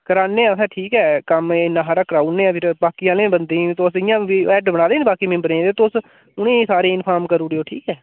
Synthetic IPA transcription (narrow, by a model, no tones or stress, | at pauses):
kəɾaːnːẽːɛ̃ʊsɛ̃ːʈʰiːkɛːkəmeːnaɦːɾaːkɾaːunːẽːpʰɪɾbaːkɪjãːlẽːbənd̪ĩːt̪osɪjãːiɛːʈbəɽ̃naːd̪eːnẽbaːkiːmẽbəɾẽːd̪eːt̪oʊs | ʊnẽːsaːɾeːɪnpʰaːɾmkəɾuːɽeoːʈʰiːkɛː